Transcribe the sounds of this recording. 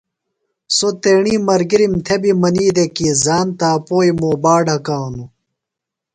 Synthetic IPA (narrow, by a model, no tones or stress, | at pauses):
sot̪eːɳiːmɐɾɡiɾimt̪ʰebimɐniːd̪ekizaːnt̪aːpoːjimoːbaːɖɐkaːnu